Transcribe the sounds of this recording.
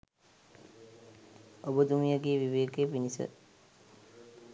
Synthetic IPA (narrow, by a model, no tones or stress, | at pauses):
obəd̪umijəɡeːʋiʋeːkepinisə̰